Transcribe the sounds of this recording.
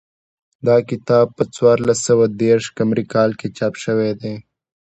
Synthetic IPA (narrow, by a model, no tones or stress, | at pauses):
d̪ɑːkɪt̪ɑːb̚pət͡swɑːɾlasəwad̪eːɾʃkamɾikɑːlket͡ʃɑːpʃəwed̪eː